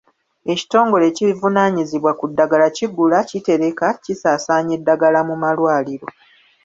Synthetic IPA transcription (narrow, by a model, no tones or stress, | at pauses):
e̞ci̥to̞ːŋɡo̞le̞ːcivunaːɲiziβwakudːaɡalaciɡulacite̞ɾe̞kacisaːsaːɲe̞dːaɡalamumalwaːliɾo̞